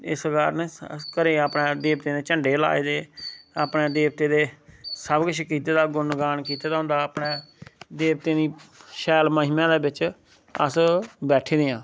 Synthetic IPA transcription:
ɪ̰sɡaːɾnkəɾeːaːpɳẽːd̪eːbt̪eːd̪eːt͡ʃəɳɖeːla̰ːeːd̪eːaːpneːd̪eːʋt̪eːd̪eːsəbkəʃʰkiːt̪eːd̪aːɡʊnɡaːnkiːt̪eːd̪aːɦʊ̃nd̪aːəːpneːd̪eːbt̪eːd̪iːʃɛːlməɦɪmãːd̪eːbɪt͡ʃ | ə̰sbɛːʈʰeːd̪ɪjãː

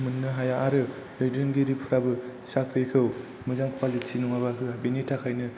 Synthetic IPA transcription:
mɯnːɯɦajaʔːɾɯ | lejdɾɯŋɡiɾipʰɯɾabɯsakʰɾekʰɯw | mɯzaŋkʰwalisʰinuŋabaɦɯabenitʰakʰajnɯ

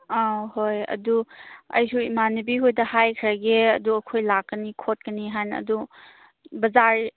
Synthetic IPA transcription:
ahojɐ̰duɐ̰jsuimanibiɦojdɐhajkʰɾaɡeɐduɐkʰojlakːənikʰot̚kəniɦanɐ̰du | bɐzaɾ

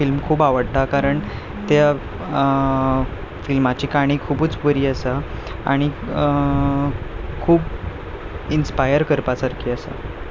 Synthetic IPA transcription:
filmkʰuːbaʋəɽt̪akaɾəɳ | t̪ja | filmat͡ɕiːkaɽ̃iːkʰuːbut͡sbəɾiːəsa | a̰ɽ̃iə | kʰuːb | inspajəɾkəɾpasaɾkʰiːəsa̰

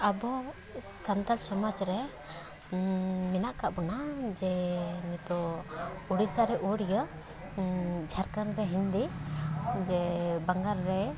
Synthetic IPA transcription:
abɔ | sant̪alsɔmad͡ʒɾɛ | mɛnaʔkaʔbɔnad͡ʒɛnɛt̪ɔ | uɽisaɾɛʔuɽjə | d͡ʒʱaɾkanɾɛɦind̪i | d͡ʒɛbaŋɡaɾːɛ

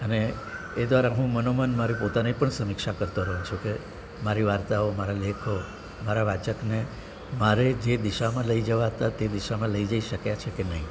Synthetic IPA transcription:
əneː | d̪ʋaɾaɦũmənomənmaɾipot̪anepəɳsəmikʃakəɾt̪oɾəɦũt͡ʃʰuke | maɾiʋaɾt̪aomaɾalekʰo | maɾaʋat͡ʃəkne | maɾed͡ʒed̪iʃamãləid͡ʒəʋaɦət̪at̪ed̪iʃamãləid͡ʒaiʃəkjat͡ʃʰekenəɦĩ

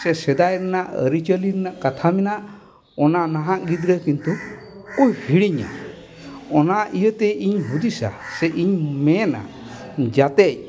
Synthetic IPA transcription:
sɛsɛd̪ajɾɛnaʔə̰ɾit͡ʃəliɾɛnaʔkat̪ʰaminaʔ | ɔnanaɦãʔɡid̪ɾəkint̪u | ujhiɽiɲa̰ | ɔnaijət̪ɛiɲɦud̪isa̰sɛʔiɲmɛna̰ʔ | d͡ʒat̪ɛc̚

